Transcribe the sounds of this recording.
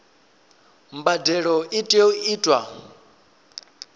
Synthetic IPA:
mbadɛɺɔʔitʼuiːtʼwa

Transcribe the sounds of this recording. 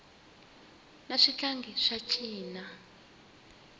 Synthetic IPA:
naʂit͡ɬaŋɡʱiʂat͡ʃʰiːna

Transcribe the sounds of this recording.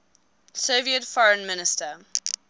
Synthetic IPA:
soviətfɔɹə̃nmɪnɪstə

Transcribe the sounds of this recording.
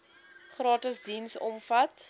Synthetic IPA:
χrɑːtəsdinsɔ̰mfɐt

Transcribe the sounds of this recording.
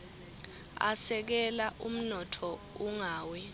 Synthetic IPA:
a̰sɛk̬ɛlaʔum̩nɔtʰɔ | uŋaːwɛ

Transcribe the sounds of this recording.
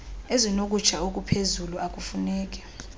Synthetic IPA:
ezinokʼut͡ʃʰaok̬ʼupʰezuluak̬ʼufunɛːk̬ʼɛ̥

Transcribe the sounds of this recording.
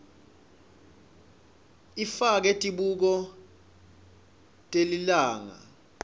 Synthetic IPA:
ifak̬ɛtʼiɓuk̬ɔ | tʼelilaːŋa̰

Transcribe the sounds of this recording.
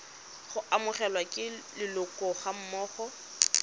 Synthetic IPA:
χʊʔamʊχɛlwakʼɪlɪlʊkʼɔχam̩mɔːχɔ

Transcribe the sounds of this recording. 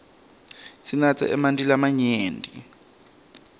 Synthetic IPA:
sinat͡sʰa̰ʔɛmandilamaɲeːndʱḭ

